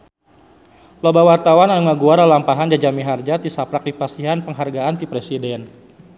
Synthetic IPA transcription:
lobawart̪awananuŋaɡuaɾalampaɦand͡ʒad͡ʒamiɦard͡ʒat̪isapɾak̚dipasiɦanpəŋɦarɡaːnt̪ipɾesidɛn

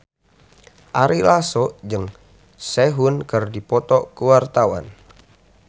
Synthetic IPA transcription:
ʔaɾilasɔʔd͡ʒɨŋ | sɛɦunkɨrdipɔt̪ɔkəwart̪awa̰n

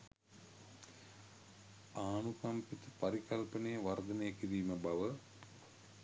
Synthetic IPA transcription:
aːnukɐmpit̪əpaɾikɐlpənejəʋard̪ənejəkiɾiːməbaʋə

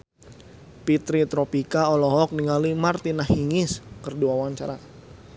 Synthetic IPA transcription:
pit̪ɾit̪ɾɔpikaɔlɔɦɔk̚niŋalimart̪inahiŋɪskərduawaɲt͡ʃa̰ɾa

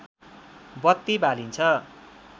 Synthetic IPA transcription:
bʌt̪ːibalint͡sʰʌ

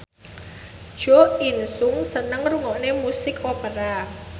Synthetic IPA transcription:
d̥ʒ̥ɔ̤insʊŋsənəŋruŋɔʔnemusɪkopəɾa

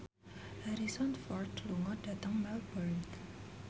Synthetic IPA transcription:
ʔaɾisɔnfɔrt̪luŋɔd̥ä̤t̪əŋmɛlbɔrnt̪

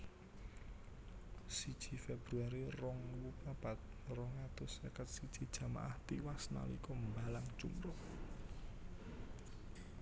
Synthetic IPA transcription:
sid̥ʒ̥i̤feb̥ɾuaɾirɔŋwupab̥at̪̚rɔŋat̪ʊsekət̪̚sid̥ʒ̥i̤̥ʒ̥ä̤ma̰ʔaht̪iwasna̰lḭkɔmbalaŋ̥ʒ̥ṵmɾɔh

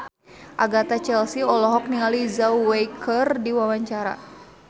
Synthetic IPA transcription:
ʔaɡat̪at͡ʃɛlsiɔlɔɦɔk̚niŋalizawejkʰərdiwawaɲt͡ʃaɾa̰

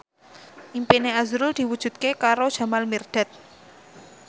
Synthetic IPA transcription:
ʔimpineazɾʊld̪̥i̤wud̥ʒ̥ṳt̪̚kekaɾod̥ʒ̥a̤malmird̪̥a̤t̪̚

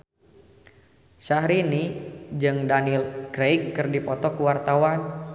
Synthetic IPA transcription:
saɦɾinid͡ʒɨŋdanilɡɾejkːɨrdipɔt̪ɔkuwart̪awan

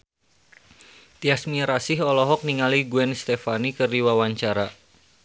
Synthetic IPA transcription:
t̪iasmiɾasɪɦɔlɔɦɔk̚niŋaliɡuɛnst̪ɛfanikɨrdiwawaɲt͡ʃaɾa

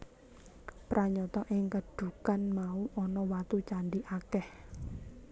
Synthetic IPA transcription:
pɾʔaɲɔt̪ɔʔɪŋkəɖ̥ṳkanmauʔɔnɔwat̪ut͡ʃaɳɖiʔakɛh

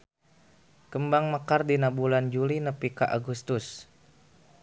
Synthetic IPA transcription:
kəmbaŋmakardinabuland͡ʒulinəpikaʔaɡust̪ʊs

